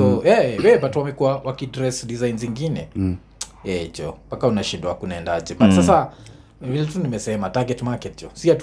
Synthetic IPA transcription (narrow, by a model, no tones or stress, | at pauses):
ɔɛwɛbatuwamɛkuwawakidɾɛsdizainziŋɡinɛ | jɛd͡ʒɔpakaunaʃindaakunaɛndad͡ʒɛbasasa | vilɛtunimɛsɛmataɡɛtmakɛtd͡ʒɔsiat